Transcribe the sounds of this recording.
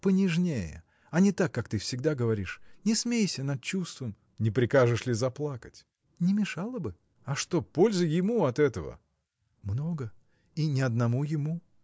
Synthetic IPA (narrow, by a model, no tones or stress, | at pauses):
pənʲɪʐnʲejə̰ | ɐnʲɪt̪akːakt̪ɨfsʲɪɡd̪aɡəvɐɾʲiʂnʲɪsmʲejsʲənɐt̪̚t͡ɕust̪vəm | nʲɪpɾʲɪkaʐɨʂlʲɪzɐplˠakətʲ | nʲɪmʲɪʂalˠəbɨ | ɐʂt̪o̞po̞lʲzəjɪmuɐt̪ɛt̪əvə̰ | mno̞ɡə | inʲɪɐd̪̚nɐmujɪmu